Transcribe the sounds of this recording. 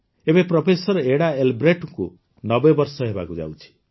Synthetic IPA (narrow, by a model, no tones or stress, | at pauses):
ebeprɔpʰesʌɾeɽaelbɾeʈko | nʌbʌjbʌrsʌɦeba̰kud͡za̰wt͡ʃʰi̥